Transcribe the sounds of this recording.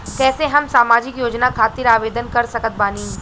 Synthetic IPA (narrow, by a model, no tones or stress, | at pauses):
kɛːseɦɐmsaːmaːd͡ʒɪkjoːd͡ʒnakʰaːt̪ɪɾaːʋeːd̪ənkɐɾsɐkət̪̚baːniː